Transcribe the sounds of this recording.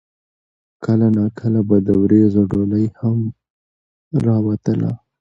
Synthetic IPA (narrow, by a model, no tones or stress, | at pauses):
kəlanɑkʰəlabad̪əwɾezoɖoləjham | ɾɑwat̪əla̰